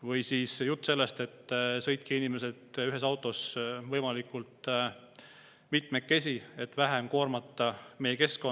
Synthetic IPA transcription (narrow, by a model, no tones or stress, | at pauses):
vɤjsiːsjut̪ˑːse̞lːest̪e̞t̪ːsɤ̞jt̪̚kiinime̞se̞d̪yɦe̞sɑwt̪ːˑo̞svɤjmɑlikult̪ | mit̪mekːe̞sʲie̞t̪ːˑvæɦemko̞ːrmɑt̪ːˑɑme̞jeke̞sko